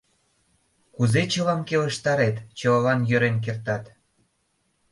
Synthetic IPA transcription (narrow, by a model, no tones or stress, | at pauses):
kuzet͡ɕəlɑmkeləʃt̪ɑɾet̪t͡ɕəlɑnjø̆ɾenk̬ert̪ɑt̪